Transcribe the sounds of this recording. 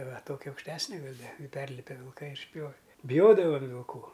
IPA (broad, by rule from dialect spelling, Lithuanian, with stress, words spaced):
ʋɐ ˈtoːkʲɛ ɐʊkʃʲˈtʲæːsʲnʲɛ ˈɡɐlʲ ˈdɐ ɪ ˈpʲɛrʲlʲɪpʲɛ ʋʲɪlˠˈkɐɪ ɪr ɪʃʲˈpʲjoːʋʲɛ bʲɪˈjoːdɐʋɐm ʋʲɪlˠˈkuː